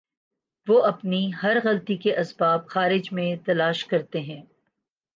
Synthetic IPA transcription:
ʋoːʔɐpniɦɐɾɣɐlt̪ikeʔɐsbaːbxaːɾɪd͡ʒmẽt̪ɐlaːʃkɐɾt̪eɦɛ̃ː

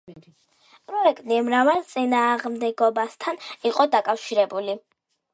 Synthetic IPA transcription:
pʼɾɔɛkʰʼt̪ʼimɾavalˠt̪sʼinaːʁmd̪ɛɡɔbast̪ʰaniqʼɔd̪akʼafʃiɾɛbuli

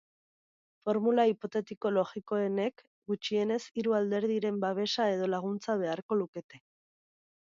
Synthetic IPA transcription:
fo̞ɾmulaipo̞t̪e̞t̪iko̞lo̞ɣiko̞e̞ne̞k | ɡut͡ʃie̞ne̞siɾuald̪e̞ɾð̞iɾe̞mbaβ̞e̞ʃae̞ð̞o̞laɣ̞unt͡saβ̞e̞aɾko̞luke̞t̪e̞

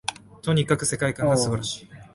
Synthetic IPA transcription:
t̪o̞ɲ̟ikakɯ̟se̞kaikãŋɡasɨbaɾaɕi̥ː

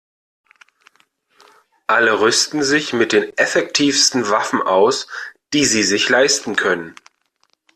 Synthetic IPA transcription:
ʔaləʁʏstn̩zɪçmɪt̚d̥eːnʔɛfɛk̚tʰiːfstn̩vafn̩ʔaʊsd̥iːziːzɪçlaɪstn̩kʰœnən

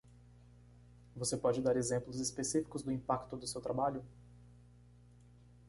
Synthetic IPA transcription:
vosepɔd͡ʒɪd̪aɾezẽmplʊzispesifi̥kʊzd̪ʊĩpakt̪ʊd̪ʊsewt̪ɾabaʎʊ

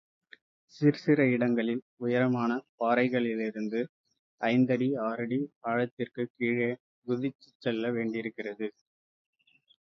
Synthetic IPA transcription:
sɪɾɯsɪɾɐɪɽɐŋɡɐɭɪl | ʊjɐɾɐmaːnɐpaːɾɐɪɣɐɭɪlɪɾɯnd̪ɯ | ɐɪnd̪ɐɽiaːɾɐɽiaːɻɐt̪ːɪrkɯkiːɻe | ɡʊðɪt͡ʃːɯ̥t͡ʃːɛlːɐʋeːɳɖɪɪɾɯkːɪrɐðɯ

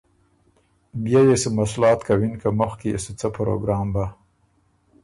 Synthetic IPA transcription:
bjɑjesəmaslɑːt̪kawinkaməxkejḛsət͡səpɾo̰ɡɾɑːmba

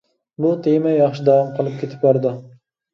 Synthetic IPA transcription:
bʊt̪ʰejɪmajːɑχʃɪd̪ɑvɑmqʰəlˠɨp̚kʲʰet̪ʰɪ̥p̚bɑɾd̪ɪ

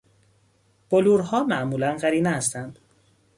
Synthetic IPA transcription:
b̥oluːɾɦɒːmæʔmuːlænɢæɾiːneæst̪ænd̪̥

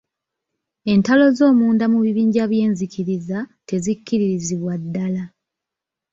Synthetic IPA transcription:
e̞ntalo̞zo̞ːmuːndamuβiβiːɲɟaβje̞ːɲzikiɾizate̞zikːiɾiɾiziβwadːala

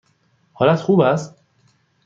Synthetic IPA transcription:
hɒːlæt̪xuːbæst̪

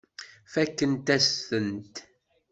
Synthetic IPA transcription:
fækːənt̪æsθənt̪

